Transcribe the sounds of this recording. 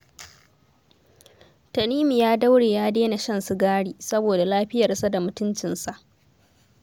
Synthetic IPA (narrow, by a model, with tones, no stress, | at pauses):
tɐ˨niː˦mi˨jaː˦da˦wɽeː˨jaː˦deː˦na˨ʃɐ˦nsu˦ɡaː˦ɽiː˨sɐ˦boː˨da˨laː˦ɸɪ˦jɐ˨rsa˦da˨mʊ˦tʊ˦nt͡ʃɪ˨nsa˨ʔ